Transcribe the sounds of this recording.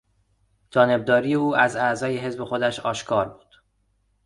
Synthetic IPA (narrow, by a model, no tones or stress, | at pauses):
d͡ʒɒːneb̚d̪ɒːɾijeuːʔæzæzɒːjeɦe̞zbe̞xo̞d̪æʃɒːʃkʰɒːɾbuːd̪̥